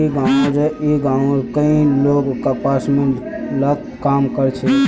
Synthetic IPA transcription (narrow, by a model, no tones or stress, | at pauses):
iɡaːɽ̃õɾeiɡãːɽ̃õkəĩloːɡkapaːsmẽ | lat̪ | kaːmkəɾt͡ʃʰe